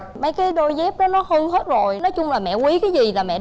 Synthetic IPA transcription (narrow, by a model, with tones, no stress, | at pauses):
mə˨˦jkaː˨˦jɗo˧jzɛ˦˥p̚ɗɔ˨˦nɔ˨˦həː˧nhe˦˥t̚zo˨˩jnɔ˨˦jt͡ɕʊ˧ŋ͡mlaː˨˩mɛ̰˧˨kwi˨˦kaː˨˦jzi˨˩laː˨˩mɛ̰˧˨